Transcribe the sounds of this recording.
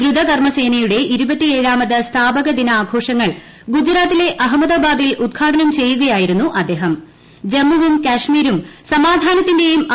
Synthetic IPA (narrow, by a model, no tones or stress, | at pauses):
ɡɾud̪ʱɐkɐrmɐse̞ːnɐjuɽe̞ʔiɾubɐt̪ːieːɻaːmɐðɐst̪ʰaːbɐɣɐd̪inɐaːɡʰʱo̞ːʂɐŋːɐɭ | ɡud͡ʑɾaːt̪ːile̞ʔɐɦɐmɐðaːbaːd̪ilud̪ɡʰʱaːʈʰɐnɐmt͡ɕe̞jːuɣɐjaːjiɾunːuʔɐd̪ːe̞ːɦɐm | d͡ʑemːuʋumkaːʂmiːɾumsɐmaːd̪ʱaːnɐt̪ːinde̞jum